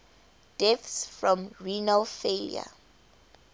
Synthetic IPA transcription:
d̥ɛθsfɹɔ̃mɹinalfelḭa̰

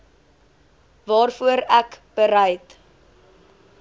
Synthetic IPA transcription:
vɑːrfuəɾækb̥əɾɛjt

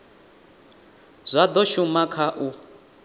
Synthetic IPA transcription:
z̥ʷad̪ɔʃumakʰaʔu

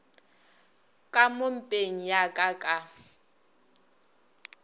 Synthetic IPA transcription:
kʼamom̩pʼeŋ̩jakʼakʼa

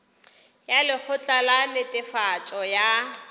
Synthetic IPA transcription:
jalɪk͡xʰʊt͡ɬʼalanɪtʼɪfat͡ʃʼɔja

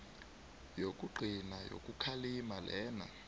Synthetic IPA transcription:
jokʼuǃʱinajo̰kʼukʰalimalɛːna̰

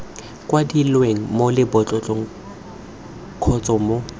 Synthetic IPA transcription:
kʼwadilweŋ̩molɪbɔt͡ɬʼɔt͡ɬʼɔŋ̩ | kʰɔt͡sʼɔmo

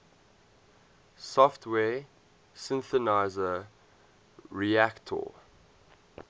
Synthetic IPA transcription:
sɔftʰwɛː | sɪ̃nθənaɪzə | ɹiæktʰɔ̰

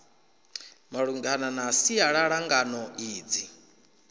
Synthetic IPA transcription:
maɺuŋɡananasiaɺaɺaŋɡanɔiːd͡zi

